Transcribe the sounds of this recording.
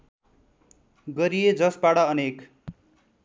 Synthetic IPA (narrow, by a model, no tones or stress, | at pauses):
ɡʌɾijed͡zʌsbaɽʌʌnek